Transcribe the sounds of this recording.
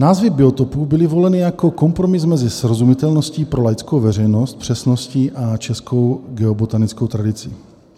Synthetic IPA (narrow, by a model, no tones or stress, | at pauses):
naːzvɪbɪo̞t̪opuːbɪlɪvo̞lɛnɪjako̞ko̞mpɾo̞mɪsmɛzɪsɾo̞zumɪt̪ɛlno̞sciːpɾo̞lajt͡skowvɛr̝ɛjno̞st̪̚pr̝̥ɛsno̞sciːʔat͡ʃɛsko̞wɡɛobot̪anɪt͡sko̞wt̪ɾadɪt͡sɪ